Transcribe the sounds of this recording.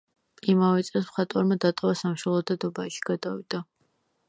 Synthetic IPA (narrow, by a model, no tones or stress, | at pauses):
imavɛt̪sʼɛlˠs̬mχat̪ʼɔɾmad̪at̪ʼɔvasamʃɔlˠɔd̪ad̪ɔbaʃi̥ɡ̥ad̪avid̪̥a